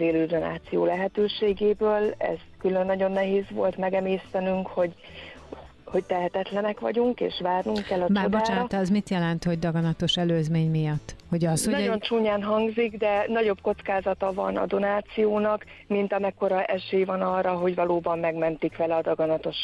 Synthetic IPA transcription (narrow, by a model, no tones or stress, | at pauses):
zeːløːd̪o̞na̰ːt̪sijoːlɛɦɛt̪øːʃeːɡeːbøːlɛ̰z̥kylø̞nːɒɟo̞nːɛɦeːzʋvo̞̰lt̪mɛɡɛmeːst̪ɛnyŋkho̞ɟ | ho̞ct̪ɛɦɛt̪ɛt̪lɛnɛkʋɒ̰ɟuŋkḛːʃʋaːrnuŋkkːɛlːɒmt͡ʃaːrdbot͡ʃaːnt̪ɛzmit̪jɛlɛnt̪ho̞ɟd̪ɒɡɒnɒt̪o̞ʃɛløːzmeːɲmijɒt̪ːho̞ɟɒshonɒo̞nt͡ʃuːɲaːnɦɒŋɡziɡd̪ɛnɒɟo̞bko̞t̪skaːzɒt̪ɒvɒ̰nɒ̰d̪o̞naːt̪sijoːnɒk | mint̪ɒmɛkːo̞ɾɒʔɛʃeːjvɒnɒrːɒɦo̞ɟvɒloːbɒmːɛɡmɛnt̪ikʋɛlɛɒd̪ɒɡɒnɒt̪o̞ʃ